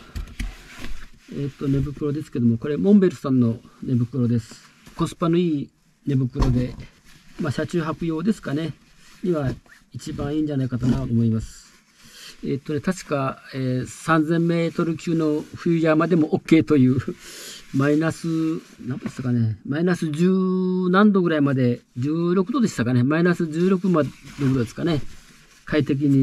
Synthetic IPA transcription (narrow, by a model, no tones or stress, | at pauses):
et̪ːo̞ne̞bɯ̟kɯ̟ɾo̞d̪esɨ̥ke̞d̪omoko̞ɾe̞mõ̞mbe̞ɾɯsãnːo̞ne̞bɯ̟kɯ̟ɾo̞d̪e̞sɨ̥ | ko̞sɨ̥pano̞iː | ne̞bɯ̟kɯ̟ɾo̞d̪e̞ | maɕat͡ɕɨːɦakɯ̟jo̞ːd̪e̞sɨ̥kane̞ | ɲ̟iβa | it͡ɕibãɰ̃ĩːɲ̟d͡ʑanaikat̪anat̪t̪ːomo̞imasɨ̥ | et̪ːo̞ne̞t̪aɕi̥kaeːsãnzẽ̞mːe̞ːt̪o̞ɾɯ̟kʲɨːno̞ɸɯ̟jɯjamad̪e̞mo̞ʔokːe̞ːt̪o̞jɯ̟ː | mainasɨ | nãnd̪est̪akane̞mainasɨd͡ʑɨːnãnd̪o̞ɡɯ̟ɾaimad̪e̞d͡ʑɨːɾo̞kɯ̟d̪o̞d̪e̞ɕt̪akane̞mainasɨd͡ʑɨːɾo̞k̬ɯ̟maɾokɯ̟d̪o̞d̪e̞sɨ̥kane̞ | kait̪e̞k̬ʲiɲ̟i